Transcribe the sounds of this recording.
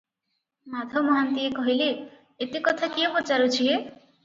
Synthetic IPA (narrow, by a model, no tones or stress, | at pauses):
mad̪ʱɔmɔɦant̪iekɔɦile | et̪ikɔt̪ʰakiopɔt͡ʃaɾut͡ʃʰie